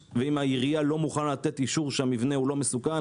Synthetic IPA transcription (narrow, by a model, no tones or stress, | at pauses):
veimaiʁijalo̞muχanlat̪et̪iʃuʁʃeamivne̞ulo̞mesuka